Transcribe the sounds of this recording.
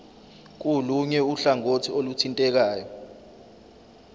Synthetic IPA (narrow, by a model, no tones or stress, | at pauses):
k̬uluɲɛuɬaŋotʰiolutʰintʼɛk̬aːjɔ